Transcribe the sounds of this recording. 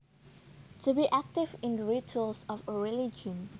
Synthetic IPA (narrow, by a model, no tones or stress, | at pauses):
tʰubiʔæk̚tɪvɪ̃ndəɹitʰulsɔfəɹilid͡ʒə̃n